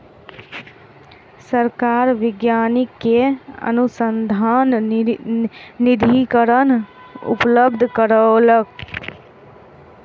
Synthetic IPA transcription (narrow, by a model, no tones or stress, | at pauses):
səɾkaːɾʋɪɡjaːnikːeə̰nusənd̪ʱaːn | ɪd̪ʱikəɾən | ʊ̰pləbd̪ʱkəɾələk̚